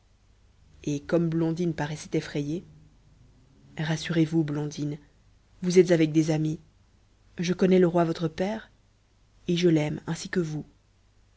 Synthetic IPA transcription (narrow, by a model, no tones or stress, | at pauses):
ekɔmblɔ̃d̪inpaʁɛsɛ̥t̪ɛfχɛje | ʁasyʁevublɔ̃d̪in | vuzɛt̪zavɛk̚d̪ezami | ʒəkɔnɛləʁwavɔt̪χəpɛːʁ | eʒəlɛmɛ̃sikəvu